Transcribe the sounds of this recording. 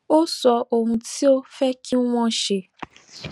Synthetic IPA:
o˦sɔ˧ʔo˨ŋũ˧ti˦o˦fɛ˦kʰi˦wʷɔ̃˦ʃe˨

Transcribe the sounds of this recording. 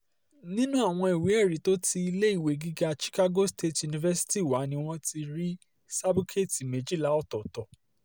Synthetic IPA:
nĩ˦nũ˦a˦˨w̃ɔ̃˧i˨wi˨˦ɛ˦˨ɾi˨to˦ti˧i˧le˦i˦˨we˨˦˨ɡi˦ɡa˧ʃi̥˦ka˦ɡo˦ste˦˨tju˨nĩ˧vɛ˦si̥˦ti˦˨wa˨˦nĩ˦w̃ɔ̃˦tʰi˧ɾi˦ | sa˦bu˦kʰe˦˨ti˨me˨d͡ʒi˦la˦ɔ˦˨tɔ˨tɔ˨

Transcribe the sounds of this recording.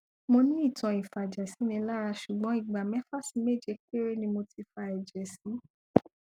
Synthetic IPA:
mo˧nĩ˦i˦˨tɔ̃˨˧i˨fa˨d͡ʒɛ˨si˨˦nĩ˧la˦ɾa˧ʃu˨ɡ͡bɔ̃˨˦i˦˨ɡ͡ba˨mɛ˦fa˦si˧˦me˦˨d͡ʒɛ˧ke˦ɾe˦nĩ˧mo˧ti˧fa˧ɛ˨d͡ʒɛ˨sĩ˨˦

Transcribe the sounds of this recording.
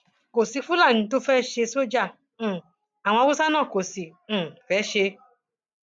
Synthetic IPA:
ko˨si˨˧fu˦la˦˨nĩ˧˦to˦fɛ˦ʃe˧so˦d͡ʒã˦˨ | a˨wɔ̃˧wu˦sa˦nãː˦˨ko˨sĩ˨fɛ˨˦ʃe˧

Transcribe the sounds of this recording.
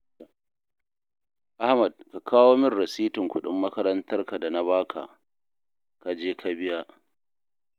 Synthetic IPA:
ʔa˦hmɐ˨d̚ka˨kʰaː˦woː˦mɪ˦rːɐ˨siː˦tɪ˨ŋkʷʊ˦ɗɪ̰˦mːɐ˦kɐ˦ɾɐ˦ntɐ˦rka˨da˨na˦βaː˦kʰa̰˨ʔ | ka˨d͡ʒeː˦ka˦bɪ˦ja˦ʔ

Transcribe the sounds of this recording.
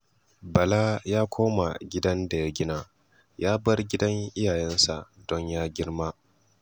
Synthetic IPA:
bɐ˨la˦jaː˦kʷʰoː˦ma̰˨ɡʲɪ˦dɐ˦nda˨ja˦ɡʲɪ˦na˨ | jaː˦bɐ˦rɡʲɪ˦dɐ˦ŋʔɪ˦jaː˨jɛ˦nsa˨ʔd̥ɔ˦ɲjaː˦ɡʲɪ˦ɽma˦

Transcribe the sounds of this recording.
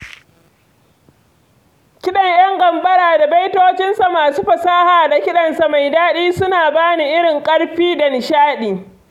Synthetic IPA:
kʲɪ˦ɗɐ˨ɲjɐ˦ŋɡɐ˨mbɐ˦ɽaː˨da˨ba˦jtoː˦t͡ʃɪ˦nsa˨maː˨suː˦ɸɐ˨saː˦haː˨da˨kʲɪ˦ɗɐ˨nsa˨ma˨jdaː˦ɗiː˦sʊ˦naː˨baː˦ni˨ʔɪ˦ɽɪ˨ŋkʼɐ˦ɽɸiː˦da˨nɪ˨ʃaː˦ɗiː˨

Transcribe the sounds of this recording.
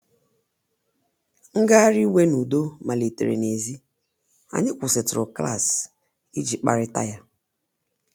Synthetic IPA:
ŋ̩˦ɡa˦ɾi˦we˦nu˨do˦ma˨le˨tḛ˨ɾḛ˨ne˨zi˦ | a̰˨ɲɪ˦kʷʊ˨sɪ˨tʊ˨ɾʊ˨kla̰˦˨s | i˦d͡ʒi˨k͡pa̰˦ɾɪ˦ta̰˦ja˦

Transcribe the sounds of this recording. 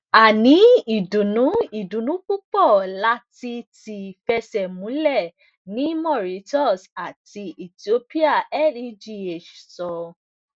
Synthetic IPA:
a˨nĩ˨˦i˨dũ˨nũ˨˦i˨dũ˨nũ˨˦k͡pu˦k͡pɔ˦˨la˧˦ti˧ti˧˨fɛ˧sɛ˨mũ˨˦lɛ˦˨ | nĩ˨˦mɔ˦˨ɾi˨˦tɔ˦˨sa˨ti˧ʔi˨ti˨o˦pi˦a˦˨ɛ˦˨li˦˨d͡ʒi˦˨e˨ʃsɔ˨˧

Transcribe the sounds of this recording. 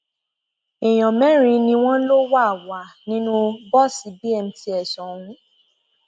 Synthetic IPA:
e˨j̃ɔ̃˨mɛ̃˦ɾ̃ĩ˧˦nĩ˧w̃ɔ̃˦lo˦wa˦˨wa˨nĩ˦nũ˦bɔ˦˨si˨˦bi˦ɛ˧m̩˨˦ti˧˦ɛ˨sɔ̃˨ũ˧˦

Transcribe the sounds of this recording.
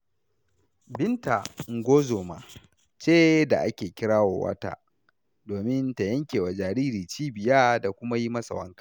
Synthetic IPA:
bɪ˦nta˨ŋ˦ɡʷoː˦zoː˨ma̰ː˨ | t͡ʃeː˦da̰˨ʔa˦kʲeː˨kʲɪ˦ɾaː˦wa̰ː˨wɐ̰˦ta̰ː˦ | doː˨mɪ˦nta˨jɐ˦ŋkʲeː˨wa˨d͡ʒaː˨ɾiː˦ɾiː˨t͡ʃiː˦bɪ˨jaː˦da˨kʷʊ˦ma˦ji˦mɐ˦sa̰˨wɐ˦ŋkḁː˨

